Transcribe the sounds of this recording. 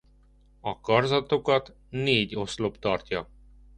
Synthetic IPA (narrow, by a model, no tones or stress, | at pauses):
ɒkɒrzɒt̪okɒt̪ | neːɟo̞slopt̪ɒrt̪jɒ